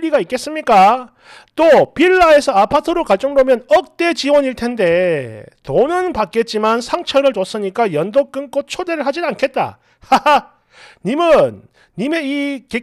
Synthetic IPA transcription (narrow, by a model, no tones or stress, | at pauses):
ɾiɡaik͈e̞s͈ɯmɲik͈a | t͈opiɭːae̞sʰʌapʰatʰɯɾokaɭt͡ɕ͈ʌŋdomjʌnʌk̚t͈et͡ɕiwʌɲiɭtʰe̞nde̞tonɯnpak͈̚e̞t̚t͡ɕ͈imansʰaŋt͡ɕʰʌɾɯɭt͡ɕos͈ɯɲik͈ajʌndok͈ɯnk͈ot͡ɕʰode̞ɾɯɭɦad͡ʑinankʰe̞t̚t͈a̰ | a | ɲimɯnː | ime̞ike